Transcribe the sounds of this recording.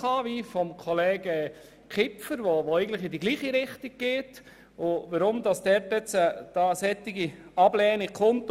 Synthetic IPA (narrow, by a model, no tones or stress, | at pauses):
ɑːʋifɔmkʰɔleːɡə | kʰɪpfəɾʋoʋoæɪɡən̩tləχɪdiɡliːχiɾɪχtik̚ɡ̥eːt | ʊʋəɾʊmd̪ɑsd̥ɛɾtɛt͡səd̥ɑːəsɛt̪ːɪɡiɑb̥lɛːnɪkʰʊnt